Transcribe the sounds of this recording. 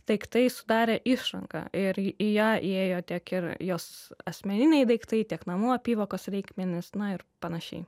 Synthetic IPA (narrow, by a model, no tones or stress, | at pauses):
d̪̥ɐɪkt̪ɐɪsʊd̪ɑːɾʲeːʔɪʃɾɐ̰ŋkɐ̰ɪɾjaːʔeːjoːt̪ʲiɛkɪɾjoːsɐsʲmʲɛnʲɪnʲɛɪd̪ɐɪkt̪ɐɪt̪ʲiɛknɐmuɔpʲiːʋoːkoːsɾʲɛɪkmʲɛnʲɪsnɐɪɾpɐnɐʃʲɛ̰ɪ